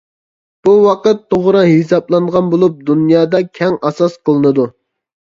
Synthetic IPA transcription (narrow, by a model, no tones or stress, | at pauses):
b̥uwɑqət̪ːoʁɾɑɦisɑplˠɑnʁɑnbolˠup̚d̪unjɑːd̪ɑkʲʰɛŋɑsɑsqʰəlˠɨnɨd̪u